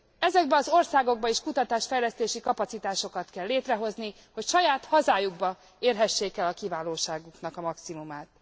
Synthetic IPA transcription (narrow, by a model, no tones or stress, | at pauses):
ɛzɛɡ̚bɛɒzo̞rsaːɡo̞ɡ̚bɒiːʃkut̪ɒt̪aːʃfɛjlɛst̪eːʃikɒpɒt̪sit̪aːʃo̞kɒt̪kɛlːeːt̪rɛɦo̞zni | ho̞cʃɒjaːt̪hɒzaːjuɡbɒ | eːrɦɛʃːeːkɛlɒkivaːloːʃaːɡuknɒkɒmɒksimumaːt̪